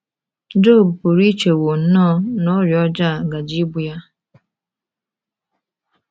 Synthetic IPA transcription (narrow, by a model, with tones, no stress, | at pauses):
d͡ʒo˦˨bpʊ˨ɾi˦t͡ʃe˨wo˨n̩˦nɔ˦nɔ˦ɾjɔ˦d͡ʒa˦˨ɡa˨d͡ʒi˦ɡ͡bu˨ja˦